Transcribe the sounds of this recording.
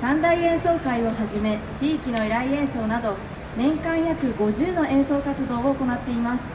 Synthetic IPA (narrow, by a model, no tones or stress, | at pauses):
sãnd̪aiẽ̞ɰ̃so̞ːkaio̞haʑime̞t͡ɕiːkʲino̞eɾaiẽ̞ɰ̃so̞ːnad̪o̞ | nẽ̞ŋkãɰ̃jakɯ̟ɡo̞ʑɨːno̞ʔẽ̞ɰ̃so̞ːkat͡sɨd̪o̞ːooko̞nat̪ːe̞imasɨ̥